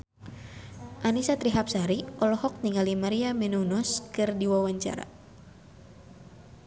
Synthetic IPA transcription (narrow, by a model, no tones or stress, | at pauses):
ʔanisat̪ɾiɦap̚saɾiʔɔlɔɦɔk̚niŋalimaɾiamɛnunɔskɨrdiwawaɲt͡ʃa̰ɾa̰